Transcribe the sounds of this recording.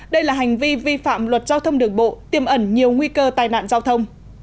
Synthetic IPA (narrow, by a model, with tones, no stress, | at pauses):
ɗə˧jlaː˨˩ɦa˨˩jŋ̟vi˧vi˧fa̰ː˧˨mlwə˨˩t̚zaː˧wt̪ʰə˧wŋ͡mɗɨ˨˩əŋɓo̰˧˨t̪i˨˩əmʔə˧˩nɲi˨˩əwŋwi˧kəː˧t̪aː˨˩jna̰ː˧˨nzaː˧wt̪ʰə˧wŋ͡m